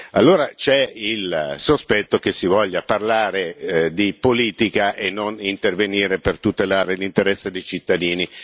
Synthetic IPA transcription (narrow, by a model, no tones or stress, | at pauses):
a̰lːoːɾat͡ʃɛilsospɛt̪ːokesivɔʎːaparlaːɾed̪ipoliːt̪ikaʔenːonint̪erveniːɾepert̪ut̪elaːɾelint̪eɾɛsːed̪ejt͡ʃit̪ːad̪iːni